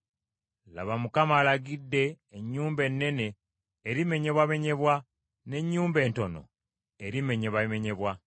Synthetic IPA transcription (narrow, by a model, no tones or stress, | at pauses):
la̰βamukamaːlaɡidːe̞ː | ɲːuːmbe̞nːe̞ne̞ː | ɾime̞ɲe̞βwame̞ɲe̞βwa | ne̞ɲːuːmbe̞ːnto̞no̞̰ | eɾime̞ɲe̞βame̞ɲe̞βwa